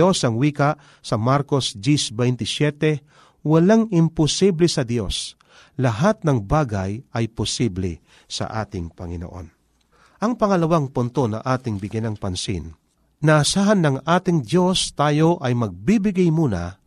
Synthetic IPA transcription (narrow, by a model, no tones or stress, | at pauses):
osɐŋwiːka | sɐmaɾko̞sd͡ʒ̪isbɛjnt̪ɪsjɛt̪ɛ | wɐlaŋɪmpʊsiblɛsɐd̪jo̞̰s | lɐɦat̪̚nɐŋbaːɡajɐjpʊsiblɛ | sɐ̰ʔa̰ːt̪ɪŋpɐŋɪno̰ʔo̞̰n | ʔɐŋpɐŋɐlɐwaŋpʊnt̪o̞nɐ̰ʔaːt̪ɪŋbɪɡɐnɐŋpɐnsḭn | nɐʔːsaːɦɐnːɐŋʔaːt̪ɪŋd̪jo̞st̪aːjo̞ʔɐjmɐɡ̚bibɪɡajmuːnɐ̰